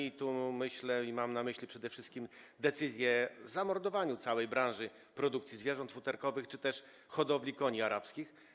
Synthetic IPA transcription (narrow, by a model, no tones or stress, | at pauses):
it̪umɘɕlɛimamnamɘɕlʲipʂɛd̪ɛfʂɘst̪̚kʲimd̪ɛt̪sɘzʲjɛzamɔɾd̪ɔvaɲut̪sawɛjbɾãʐɘ | pɾɔd̪ukt̪sʲizvʲjɛʐɔnt̪fut̪ɛɾkɔvɘxt͡ʂɘt̪ɛʂ | xɔd̪ɔblʲikɔɲiaɾapskʲix